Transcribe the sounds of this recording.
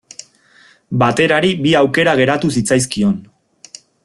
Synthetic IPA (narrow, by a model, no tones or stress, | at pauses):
bat̪e̞ɾaɾibiawke̞ɾaɣ̞e̞ɾat̪us̬it͡sajs̬kio̞n